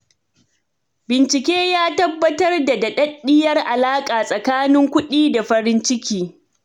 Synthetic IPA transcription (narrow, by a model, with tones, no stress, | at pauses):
bɪ˨nt͡ʃɪ˨kʲeː˦jaː˦tɐ˦bːɐ˦tɐ˦rda˨da˨ɗɐ˦ɗːɪ˦jɐ˦rʔa˨laː˦kʼaː˨sʼɐ˨kaː˦nɪ˦ŋkʷʊ˦ɗiː˦da˨ɸɐ˦ɾɪ˦nt͡ʃɪ˦kʲiː˦